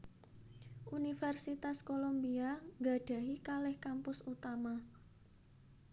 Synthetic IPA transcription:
ʔunifɛrsit̪askolombiaŋɡa̤ɖ̥ä̤ɦikalɛhkampʊsut̪ama

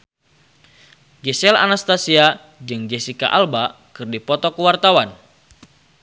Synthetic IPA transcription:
ɡɛsɛla̰nast̪asia | d͡ʒɨŋd͡ʒɛsika̰ʔalba | kɨrdipɔt̪ɔkəwart̪awan

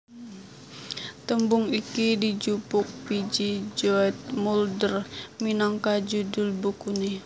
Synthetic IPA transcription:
t̪əmbʊŋikidid͡ʒupʊk̚pid͡ʒid͡ʒoɛt̪̚muldərminaŋkad͡ʒudʊlbukuni

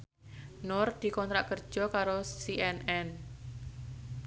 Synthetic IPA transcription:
nʊrd̪̥i̤kɔnt̪ɾaʔkərd̥ʒ̥ɔ̤kaɾosiʔɛnɛn

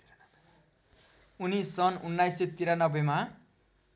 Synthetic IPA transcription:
unisʌnunːajset̪iɾanʌbema

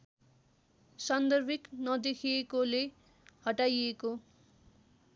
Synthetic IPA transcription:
sʌnd̪ʌrbʱiknʌd̪ekʰiekole | hʌʈajeko

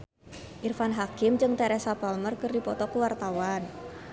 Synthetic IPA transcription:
ʔirfanɦakɪmd͡ʒɨŋt̪ɛɾɛsapalmərkɨrdipɔt̪ɔkəwart̪awan

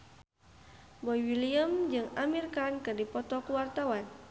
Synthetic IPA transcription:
bɔjwiliəmd͡ʒɨŋamirkankɨrdipɔt̪ɔkuwart̪awan

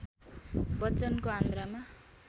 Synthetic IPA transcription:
bʌt͡sʌnkoɦãnd̪ɾama

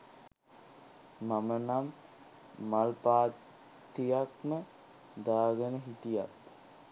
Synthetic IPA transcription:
mamənamː | alpaːt | t̪ːijakmə | d̪aːɡənəɦiʈijat̪

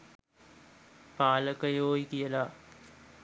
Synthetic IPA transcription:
paːləkəjoːjikijəla

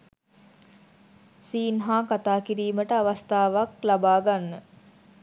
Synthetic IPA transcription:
siːnɦaːkat̪aːkiɾiːməʈəaʋast̪aːʋaklabaːɡanːə

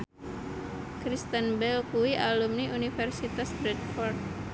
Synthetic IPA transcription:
kɾist̪ənbɛlkuiʔalumniʔunifɛrsit̪asbɾɛt̪̚fɔrd̪̚

